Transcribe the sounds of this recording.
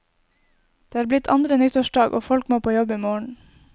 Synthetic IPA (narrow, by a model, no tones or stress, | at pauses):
d̪̥eːɑːɾblɪt̪ʰɑ̰nd̪ɾənʏt̪əʃɖɑːɡʔo̰ːfɔlkmoːpʰoːjɔbiːmoːɳ̩